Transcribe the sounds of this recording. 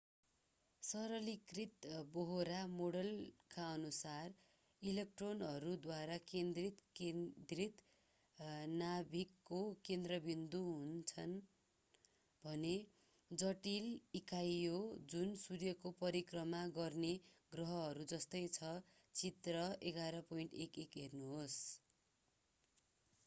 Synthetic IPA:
sʌɾʌlikrit̪boɦoɾamoɽʌlkaʌnusar | ilekʈronʌɾud̪waɾakend̪rit̪kend̪rit̪ | nabʱikːokend̪rʌbind̪uɦunt͡sʰʌn | bʱʌne | d͡zʌʈilikajod͡zunsurjʌkopʌɾikrʌmaɡʌrneɡrʌɦʌɦʌɾud͡zʌst̪ʌjt͡sʰʌ | t͡sit̪rʌeɡaɾʌpʌiɳʈekekɦernuɦos

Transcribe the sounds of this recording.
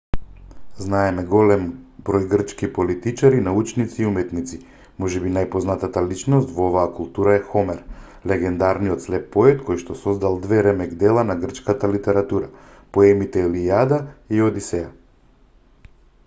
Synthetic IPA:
znaɛmɛɡɔlɛmbɾɔjɡr̩t͡ʃkipolit̪it͡ʃaɾinaut͡ʃnit̪siːumɛt̪nit̪si | mɔʒɛbinajpɔznat̪at̪alit͡ʃnɔst̪vɔovaːkulˠt̪uɾaɛxɔmɛɾ | lɛɡɛnd̪aɾnijɔt̪slɛpːɔɛt̪kɔjʃt̪ɔsɔzd̪alˠd̪vɛɾɛmɛkd̪ɛlˠanaɡr̩t͡ʃkat̪alit̪ɛɾat̪uɾapoɛmit̪ɛlijad̪aiod̪isɛa

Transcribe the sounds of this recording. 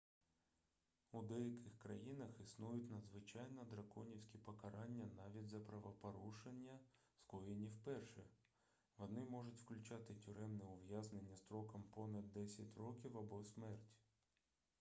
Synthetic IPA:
ud̪ɛjɐkɪxkɾɐjinɐxisnujʊtʲnɐd̪zʋɪt͡ʃɑjnɔd̪ɾɐkɔnʲiwsʲkʲipɔkɐɾɑnʲːɐnɑʋʲidʲzɐpɾɐʋɐpɐɾuʃenʲːɐ | skɔjenʲiwpɛrʃɛ | ʋɔnɪmɔʐʊtʲwklʲʊt͡ʃɑt̪ɪtʲʊɾɛmnɛʊʋjaznenʲːɐst̪ɾɔkɐmpɔnɐd̪̚ʲːɛsʲɐtʲrɔkʲiwɐbɔsmɛrtʲ

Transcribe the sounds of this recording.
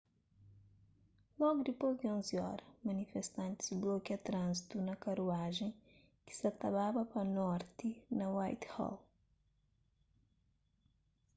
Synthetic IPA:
lɔɡud̪ipojzd̪iõnziɔ̰ɾɐmɐnifest̪ãnt̪i̥zblɔkɐt̪ɾãnzit̪unɐkɐɾuaʒẽj̃ | ki̥sɐt̪ɐβabɐpɐnɔɾt̪inɐwajt̪hɔ̰l

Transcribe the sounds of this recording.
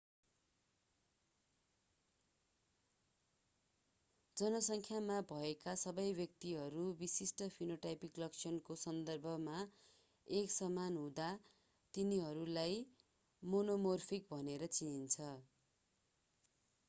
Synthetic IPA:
d͡zʌnʌsʌŋkʰjamabʱʌekasʌbʌjbjʌk̚t̪iɦʌɾubisisʈʌpʰinoʈajpiklʌkt͡sʰjʌnkosʌnd̪ʌrbʱʌma | eksʌmanɦũd̪a | t̪iniɦʌɾulaj | monomorpʰikbʱʌneɾʌt͡sint͡sʰʌ

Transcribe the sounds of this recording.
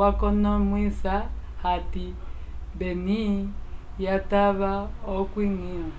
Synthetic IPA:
wakɔnɔmwisahati | beni | jataβaokwiŋina

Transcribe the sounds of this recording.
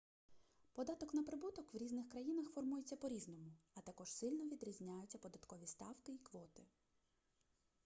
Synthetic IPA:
pɔd̪ɑt̪ɔknɐpɾɪbut̪ɔkʋɾʲiznɪxkɾɐjinɐxfɔrmujet͡sʲːɐpɔɾʲiznɔmʊɐt̪ɐkɔʒsɪlʲnɔʋʲid̪ɾʲizʲnʲajʊt͡sʲːɐpɔd̪ɐt̪kɔʋʲist̪ɑwkɪikʋɔt̪ɪ

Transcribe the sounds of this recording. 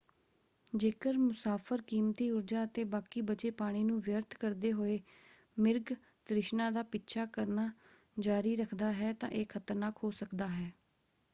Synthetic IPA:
d͡ʒeːkəɾmʊsaːpʰəɾkiːmt̪iːʊɾd͡ʒaːət̪eːbaːkiːbət͡ʃeːpaːɽ̃iːnũːʋjəɾt̪ʰkəɾd̪eːɦoːeː | mɪɾɡ | t̪ɾɪʃnãːd̪aːpɪtːʃʰaːkəɾnaː | d͡ʒaːɾiːɾəkʰd̪aːɦɛːt̪ã̰ːʔeːkʰət̪əɾnaːkɦoːsəkd̪aːɦɛː

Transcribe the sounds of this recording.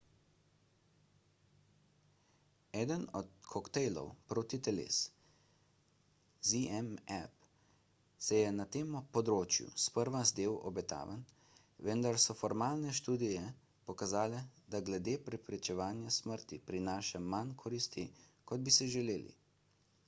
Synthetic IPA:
ɛːd̪ənɔt̪kʰɔkt̪ɛjlɔ̰wpɾoːt̪it̪ɛlḛːs | ziɛmɛp | sɛjɛnat̪eːmɔpɔd̪ɾoːt͡ʃjṵspəɾʋazd̪eːwɔ̰bɛt̪a̰ːʋən | ʋənd̪aɾsɔfɔɾmaːlnɛʃt̪uːd̪ijɛ | pɔkazaːlɛd̪aɡlɛd̪eːpɾɛpɾɛt͡ʃɛʋaːnjasməɾt̪ipɾinaːʃɛmankʰɔɾist̪ikɔd̪̚bisɛʒɛleːlḭ

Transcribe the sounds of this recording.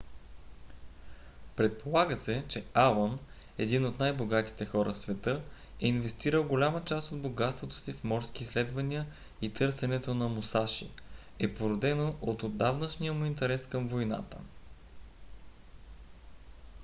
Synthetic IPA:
pɾɛt̪̚pʰolˠaɡəsɛt͡ʃɛalˠon | ɛd̪inot̪najboɡat̪i̥t̪ɛxɔɾʔə̰fsvɛt̪ɤ | ɛinvɛst̪iɾəlˠɡolʲamət͡ʃast̪od̪boɡat̪st̪vot̪o̥sifmɔɾsk̟iːslɛd̪vɐnijə | it̪ɤɾsɛnɛt̪onɐmosaʃḭ | ɛpoɾod̪ɛnoʔot̪od̪avnəʃnijəmʊint̪ɛɾɛskɤmvojna̰t̪ə̰

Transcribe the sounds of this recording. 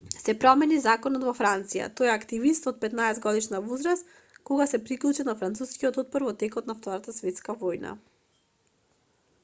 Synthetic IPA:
sɛpɾɔmɛnizakɔnɔt̪vɔfɾant̪sija̰t̪ojakt̪ivist̪ɔt̪̚pɛt̪naɛzɡɔd̪iʃnavozɾas | koɡasɛpɾiklˠut͡ʃɛnafɾant̪suskiɔt̪od̪̚bɔɾvɔt̪ɛkɔt̪naft̪ɔɾat̪asvɛt̪skavɔjna̰

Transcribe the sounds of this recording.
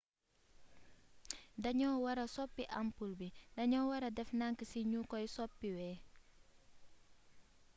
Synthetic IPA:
dɐɲɔːwɐɾɐsɔpːiʔampulbidɐɲɔwɐɾɐdɛfnaŋkəsiɲukɔjsɔpːiwɛː

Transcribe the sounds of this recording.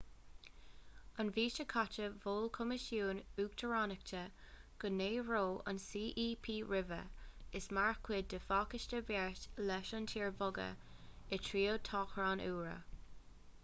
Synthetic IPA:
ənviːʃəkʰat͡ʃəvoːlkʰʊmɪʃjuːnuːɡ̚t̪ʰəɹanək̚tʰə | ɡ̥əneːɹoːə̰nsiːʔiːpʰiːɹɪvə̰ɪsmaɹkʰwɪd̚dəfaːkɪʃtəvɛɹtlɛʃəntʰiːɹvʊɡə̰ | ɪtʰɹiːot̪ʰɑːxɹaːnʔuːɹə̰

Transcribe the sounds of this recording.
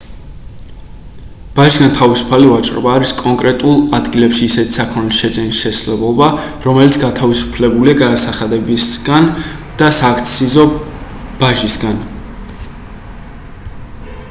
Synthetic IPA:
b̥aʒisɡant̪ʰavisu̥pʰalivat͡ʃʼɾɔ̰baːɾiskʼɔŋkʼɾɛt̪ʼulˠad̪ɡilɛpʃiːsɛt̪ʰi̥sakʰɔnisʃɛd̪zɛnisʃɛslɛblˠɔbaɾɔmɛlit̪sʰɡat̪ʰavisu̥pʰlɛbuliaɡad̪asaχad̪ɛbisɡand̪̥asaːkʰt̪sʰizɔ | b̥aʒisɡan

